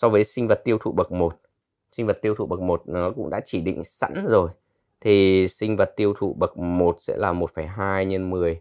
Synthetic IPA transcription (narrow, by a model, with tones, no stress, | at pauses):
sɔ˧wvəː˨˦jsï˧ŋ̟və˨˩t̚t̪i˧əwt̪ʰṵ˧˨ɓə˨˩k̚mo˨˩t̚ | sï˧ŋ̟və˨˩t̚t̪i˧ət̪ʰṵ˧˩ɓə˨˩k̚mo˨˩t̚nɔ˨˦kʊ̰˧˥ŋ͡mɗa̰ː˧˥t͡ɕi˧˩ɗḭ̈˧˨ŋ̟sa̰˧˥nzo˨˩j | t̪ʰi˨˩sï˧ŋ̟və˨˩t̚t̪i˧əwt̪ʰṵ˧˨ɓə˨˩k̚mo˨˩t̚sɛ̰˧˥laː˨˩mo˨˩t̚faː˧˩jɦaː˧jɲə˧nmɨ˨˩əj